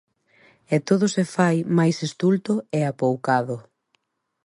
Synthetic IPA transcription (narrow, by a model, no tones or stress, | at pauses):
ɛt̪oðʊsefajmajsest̪ult̪ʊɛapowkaðʊ